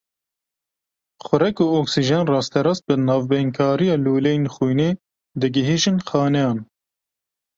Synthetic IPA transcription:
xʷʊɾɛkuːoksiʒɛnrɑːst̪ʰɛɾɑst̪̚bɨnɑːvbɛŋkʰɑːɾijɑːluːlenxujneː | d̪ɨɡɨɦiːʒɨnxɑːnɛjɑːn

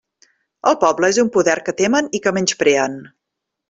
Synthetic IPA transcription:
əlˠpɔbləezumpuðɛrkət̪emənikəmenʲspɾeən

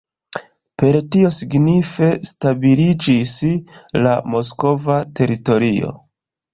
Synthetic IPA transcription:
pe̞ɾtio̞siɡnife̞stabilid͡ʒislamo̞s̬ko̞vate̞ɾito̞ɾio̞̰

